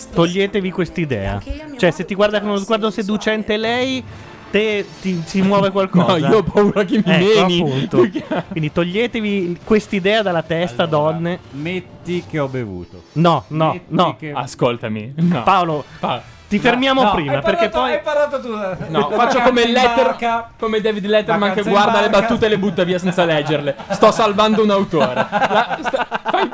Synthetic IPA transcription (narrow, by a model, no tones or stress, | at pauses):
t̪oʎːeːt̪evikwest̪aid̪ɛ̰ːa̰t͡ʃoɛset̪ːiɡward̪akonlozɡward̪osed̪ut͡ʃɛnt̪elɛj | t̪et̪isimwɔːvekwalkːɔzaiːoɔpauɾakemiɛkenipunt̪okkwind̪it̪oʎːeːt̪evikwest̪id̪ɛːad̪alːat̪ɛst̪ad̪ɔnːemet̪ːikeɔbevṵːt̪onɔnɔnɔaskolt̪amḭnpaolopa | t̪ifermjaːmopɾiːmaperkepːɔjpalat̪ot̪unɔfat͡ʃt͡ʃːokomellɛt̪ːerkomed̪ɛvid̪lɛt̪ːeɾmaŋkeɡward̪alebat̪ːuːt̪elebut̪ːeviːasɛnt̪salɛd͡ʒːerlest̪ɔsːalvand̪ounaut̪oːɾelasfaj